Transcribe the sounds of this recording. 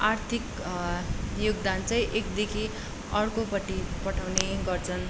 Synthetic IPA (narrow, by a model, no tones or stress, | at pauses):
art̪ʰik | joɡ̚d̪ant͡saĩʔek̚d̪ekʰi | ʌrkopʌʈːipʌʈʰawneɡʌrt͡sʰʌn